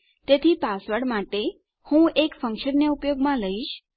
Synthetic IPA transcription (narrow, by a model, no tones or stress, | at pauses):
t̪et̪ʰipasʋəɽmaʈe | hũekfə̃ŋkʃənːeupjoɡmãləiʃ